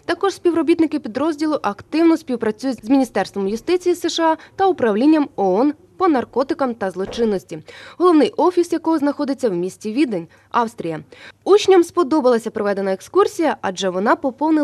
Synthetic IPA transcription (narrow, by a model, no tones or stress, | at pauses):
t̪ɐkɔʐ̥sʲpʲiwɾɔbʲit̪nɪkɪpʲid̪ɾɔzʲdʲilˠʊʔɐkt̪ɪwnɔsʲpʲiwpɾɐt͡sʲujʊzmʲinʲist̪ɛrst̪ʋɔmjʊst̪ɪt͡sʲijiseʃɑt̪ɐʊpɾɐwlʲinʲːɐmɔɔn | pɔnɐrkɔt̪ɪkɐmt̪ɐzlˠɔt͡ʃɪnːɔsʲtʲiɦɔlˠɔwnɪjʔɔfʲisjɐkɔɦɔznɐxɔd̪ɪt͡sʲːɐwmʲisʲtʲiʋʲid̪enʲ | ɑwst̪ɾʲijɐut͡ʃnʲɐmspɔd̪ɔbɐlˠɐsʲɐpɾɔʋɛd̪enɐekskursʲijɐʔɐd͡ʒɛʋɔnɑpɔpɔwnɪ